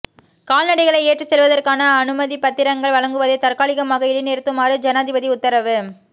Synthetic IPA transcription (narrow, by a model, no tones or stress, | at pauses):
kaːlnɐɽɐɪɣɐɭɐɪeːʈrɯsɛlʋɐðɐrkaːnɐːnɯmɐðipɐt̪ːɪɾɐŋɡɐɭʋɐɭɐŋɡɯʋɐðɐɪt̪ɐrkaːɭɪɣɐmaːɣɐɪɽɪneːɾɯt̪ːɯmaːɾɯd͡ʒɐnaːðɪʋɐðiʊt̪ːɐɾɐʋɯ